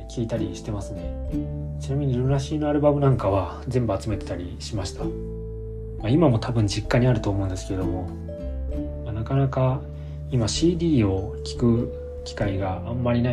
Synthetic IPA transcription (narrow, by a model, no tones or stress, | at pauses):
kʲʰiːt̪aɾʲiɕi̥t̪e̞masɨne̞t͡ɕinamʲiɲ̟iɾɯɾaɕiːno̞aɾɯ̟bamɯ̟nãŋkaβa | zẽ̞mbɯat͡sɨme̞t̪e̞̥t̪aɾʲiɕimaɕi̥t̪a | maimamo̞t̪ʰabɯ̟̃ɲ̟d͡ʑikːaɲ̟iaɾɯ̟t̪o̞ːmo̞ɯ̟̃nd̪e̞sɨ̥ked̪o̞mo̞ | manakanaka | imaɕiːd̪ʲiːo̞kʲi̥kɯ̟ | kʲi̥kaiɡaamːaɾʲina